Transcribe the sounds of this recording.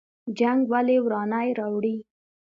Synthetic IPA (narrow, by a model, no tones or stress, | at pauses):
d͡ʒaŋɡwalewɾɑnajɾɑwɽi